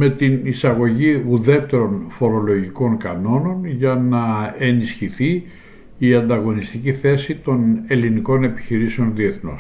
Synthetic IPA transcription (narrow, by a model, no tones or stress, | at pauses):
me̞t̪inisɐɣo̞ʝiuðe̞t̪e̞ɾo̞nfo̞ɾo̞lo̞ʝiko̞ŋkɐno̞no̞nʝɐnɐe̞nisçiθi | iɐnd̪ɐɣo̞nist̪iciθe̞sit̪o̞ne̞liniko̞ne̞pi̥çiɾiseo̞nðie̞θno̰s